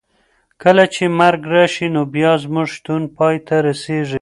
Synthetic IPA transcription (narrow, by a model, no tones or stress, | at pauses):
kəlat͡ʃemaɾɡɾɑʃinobjɑzmuʐʃt̪unpɑjt̪aɾaseʐi